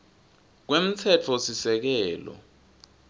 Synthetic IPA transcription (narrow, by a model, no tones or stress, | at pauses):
k̬wem̩tʰɛt͡fʰɔsisɛk̬ɛːlɔ̰